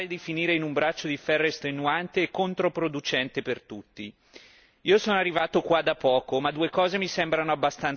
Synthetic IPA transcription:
ed̪ifiniːɾeinumbɾat͡ʃːod̪ifɛrːest̪ɾenuant̪eːkːont̪ɾopɾod̪ut͡ʃɛnt̪epert̪ut̪ːi | iːosoːnoarːivaːt̪okwad̪ːapɔːkomad̪uekɔːzemisɛmbɾanoabːast̪an

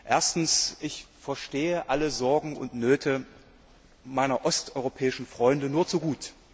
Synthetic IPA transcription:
ʔeːɐstn̩sʔɪçfɛɐʃteːəʔaləzɔɐɡŋ̩ʊ̰ntnøːtʰə | maɪnɐʔɔstʔɔʏʁopʰɛːɪʃn̩fʁ̥ɔʏndənuːɐt͡suɡuːt

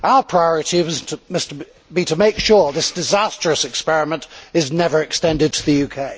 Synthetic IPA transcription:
ʔaʊə˞pʰɹ̥aɪɔɹɨɾiwʌztmʌst | biɾəmeɪkʃʊɹðɪsd̥ɨzæstɹ̥ɨsɨkspɛɹɨmə̃ntɨznɛvə˞ɨkstɛ̃ndɨd̚tʰəðɨjʉkʰeɪ

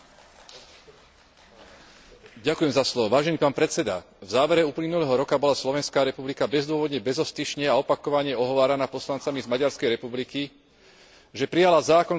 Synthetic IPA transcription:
ɟakujɛmzaslɔʋɔʋaːʒɛniːpaːnpɾɛt͡sɛd̪a̰ | vzaːʋɛɾɛuːplinulɛɦɔɾɔkabɔlaslɔʋɛnskaːɾɛpublikabɛzd̪ʊɔʋɔd̪ɲɛbɛzɔst̪iʃɲɛaɔpakɔʋaɲɪɛɔɦɔʋaːɾanaːpɔslant͡samizmaɟaɾskɛjɾɛpubliki | ʒɛpɾijalazaːkɔn

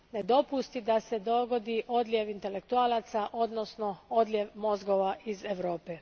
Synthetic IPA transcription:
ned̪o̞pust̪id̪ase̞d̪o̞ɡo̞d̪iʔo̞d̪lʲjeʋint̪e̞lekt̪uaːlˠat̪saʔo̞d̪nosno̞o̞d̪lʲjeʋmo̞zɡoʋaizeʋɾoːpe

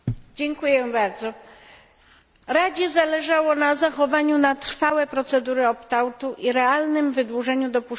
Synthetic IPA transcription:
d͡ʑɛŋkujɛbaɾd̪zɔ | ɾad͡ʑɛzalɛʐawɔnazaxɔvaɲunat̪ɾfawɛpɾɔt̪sɛd̪uɾɘɔpt̪awt̪uʔiɾɛalnɘmvɘd̪wuʐɛɲud̪ɔpuʂ

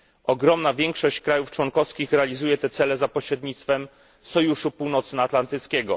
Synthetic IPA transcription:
ɔɡɾɔmnavʲjɛŋkʂɔɕt͡ɕkɾajuft͡ʂwɔŋkɔfskʲixɾɛalʲizujɛt̪ɛt̪sɛlɛzapɔɕɾɛd̪ɲit̪st̪fɛm | sɔjuʂupuwnɔt̪snaːt̪lant̪ɘt̪skʲɛɡɔ

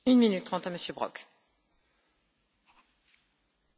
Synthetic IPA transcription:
ynminyt̪ːχɑ̃t̪aməsjøbʁɔ̰k

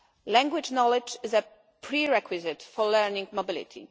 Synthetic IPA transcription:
læ̃ŋɡwɪd͡ʒnɔlɪd͡ʒɪzə | pʰɹiɹɛkʰwizɪt̪fɔlɛɹnĩŋɡmɔbɪlḭt̪ʰḭ

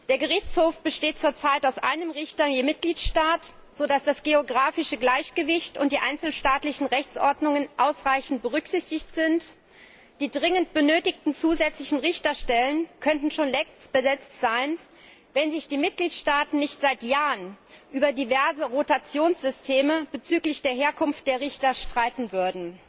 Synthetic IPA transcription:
d̥eːɐɡəʁɪçt͡shoːfb̥əʃteːt̚t͡suːɐt͡saɪtaʊsʔa̰ɪnəmʁɪçtɐjeːmɪt̚ɡ̥liːtʃtaːt | z̥odasd̥asɡ̥eoɡʁaːfɪʃəɡlaɪçɡ̥əvɪçtʊnt̚d̥iːʔaɪnt͡sl̩ʃtaːtlɪçn̩ʁɛçt͡sʔɔɐdnʊŋənʔaʊsʁaɪçn̩t̚b̥əʁ̞ʏkz̥ɪçtɪçtz̥ɪnt | d̥iːdʁɪŋəntb̥ənøːtɪçtn̩t͡suːzɛt͡slɪçn̩ʁɪçtɐʃtɛlənkʰœntn̩ʃoːnlɛb̥əzɛt͡stz̥aɪn | vɛnzɪçd̥iːmɪt̚ɡ̥liːtʃtaːtn̩nɪçtz̥aɪtjaːʁən | ʔyːbɐdivɛɐzəʁotat͡sjoːnsz̥ʏstʰeːməb̥ət͡syːklɪçd̥eːɐɦeːɐkʰʊnft̚d̥eːɐʁɪçtɐʃtʁ̥aɪtn̩vʏɐdn̩

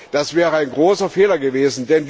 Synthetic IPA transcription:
d̥asv̥ɛːʁəaɪnɡʁoːsɐfeːlɐɡəveːzn̩dɛnv

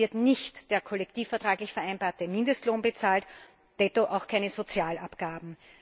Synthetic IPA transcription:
ɪɐtnɪçtd̥eːɐkʰɔlɛk̚tiːfɛɐtʁ̥aːɡlɪçfɛɐæɪnb̥aːɐtəmɪndəstloːnbət͡saːlt | d̥ɛtoʔaʊxkʰæɪnəzot͡sjaːlapɡ̥aːbm̩

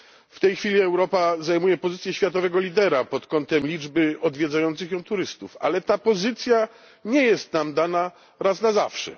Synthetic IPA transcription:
ft̪ɛjxfʲilʲiɛwɾɔpazajmujɛpɔzɘt̪sʲjɛɕfʲjat̪ɔvɛɡɔlʲid̪ɛɾapɔt̪kɔnt̪ɛmlʲid͡ʐbɘɔd̪vʲjɛd̪zajɔnt̪sɘxjɔ̃w̃t̪uɾɘst̪ufa̰lɛt̪apɔzɘt̪sʲja | ɲɛjɛst̪namd̪ana | ɾasnazafʂɛ̰

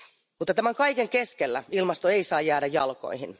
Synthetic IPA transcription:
mut̪ːɑt̪æmæŋkɑjke̞ŋkeskelːæ̰ilmɑst̪oeisɑːjːæːdæjɑ̰lko̞̰iɦin

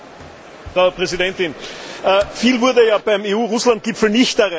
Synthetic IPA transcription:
fʁaʊpʁɛzidɛntɪnʔəːfiːlvʊɐdəjaːb̥aɪmeːuːʁʊslant̚ɡ̥ɪpfl̩nɪçtɐʁɛ

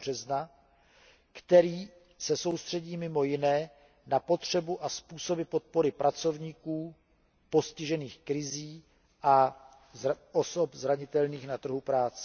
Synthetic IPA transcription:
rɛzna | kt̪ɛɾiː | sɛso̞wst̪r̝̥ɛɟiːmɪmo̞jɪnɛː | napo̞t̪r̝̥ɛbuʔaspuːso̞bɪpo̞t̪̚po̞ɾɪpɾʔat͡so̞vɲiːkuː | po̞scɪʒɛniːxkɾɪziː | ʔa | ʔoso̞pzɾaɲɪt̪ɛlniːxnat̪r̩ɦupɾaːt͡sɛ̥

